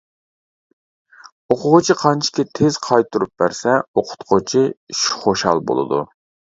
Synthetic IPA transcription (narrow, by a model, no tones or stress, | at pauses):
oqʰʊʁʊt͡ʃʰiqʰɑnt͡ʃʰi̥kʲɛt̪ʰez̥qʰɑjt̪ʰuɾup̚b̥æɾsɛoqʰʊ̥t̪qʰot͡ʃʰiʃu̥χoʃɑ̰lˠbo̰lˠɨ̰d̪ṵ